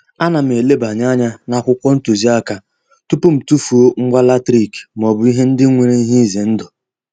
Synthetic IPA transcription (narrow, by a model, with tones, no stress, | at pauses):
a˦na˨m˨e˨le˦ba˨ɲa˦ɲa˦na˨kʷʊ˦kʷɔ˦n̩˦tu˨zi˦a˦ka˦ | tu˦pʊ˦m̩˨tu˦fu˨o˦ŋ̩˦ɡ͡ba˦la˦tɾi˦˨km˨ɔ˨bʊ˨˦i˦ɦe˦n̩˦dɪ˦ŋʷe˨ɾe˦i˦ɦi˦ze˨n̩˦dʊ˨